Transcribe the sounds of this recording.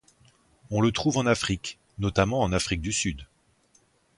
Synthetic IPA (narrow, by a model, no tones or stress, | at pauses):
ɔ̃lət̪χuvɑ̃nafχik | nɔt̪amɑ̃ːnafχik̚d̪ysyd̪